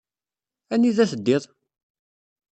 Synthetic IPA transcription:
æniðæθəd̪ːɪðˤ

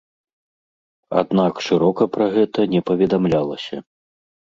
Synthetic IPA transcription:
a̰d̪nakʂɨɾɔkɐpɾɐɣɛt̪ɐnʲɛpɐvʲɛd̪amlʲalˠɐsʲɐ̰

